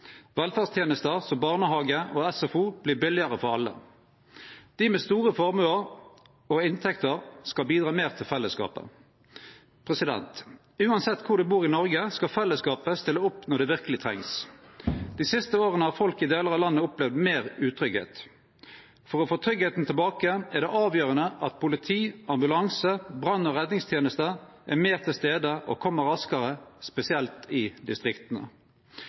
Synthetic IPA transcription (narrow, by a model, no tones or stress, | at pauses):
ʋɛlfɑːst̪ʰjeːnəst̪əʁsɔmbɑːʁnəɦɑːɡəʔoːɛsɛfuːb̥liːbɪlːɪəʁəfɔʁɑlːə̰ | d̪̥ɪmɛst̪uːʁəfɔʁmʉːəʁ | oɪnt̪ʰɛkt̪əʁskɑlbiːd̪ʁɑːmeːʁt̪ʰɪlfɛlːəskɑ̰ːpə̰ | pʰʁɛsɪd̪ɛ̰nt̪ | ʉːɑnsɛt̪ːkʰʊʁd̪ɛbuːʁɪnɔʁɡəskɑfɛlːəskɑːpəst̪ɪlːəʊpnɔʁd̪ɛʋɪʁkəlɪt̪ʰʁɛ̰ŋs | d̪̥iːsɪst̪əoːʁənəhɑʁfɔlkɪd̪eːləʁɑʋlɑnːəʊplɛʋd̪meːʁʉːt̪ʰʁʏɡhḛːt̪ | fɔʁɔːfoːt̪ʰɾʏɡɛːt̪n̩t̪ʰɪlbɑːkəæʁd̪ɛʔɑːʋjøːʁənəʔɑt̪̚pʰʊlɪt̪ʰiːʔɑmbʉlɑŋsəbʁɑnːɔʁɛd̪nɪŋst̪ʰjeːnəst̪əʔæ̰meːʁt̪ʰɪlst̪eːd̪əʔɔ̰kʰɔmːəʁɑskəʁəspɛsɪɛlt̪ɪd̪ɪst̪ʁɪkt̪ənə̰